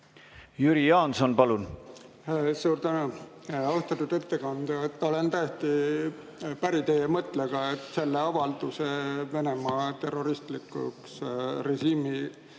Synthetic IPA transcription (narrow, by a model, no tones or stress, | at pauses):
jyɾijɑːnsonpɑlun | suːɾt̪ænu | ost̪ɑt̪ːud̪e̞t̪ːe̞kɑnd̪̥uet̪ːˑo̞le̞nt̪æjet̪i | pæɾit̪ejemɤt̪ˑleɡ̥ɑet̪ːˑse̞lːeɑvɑld̪useve̞ne̞mɑt̪e̞rːo̞ɾist̪likːˑṵksre̞ɕiːmi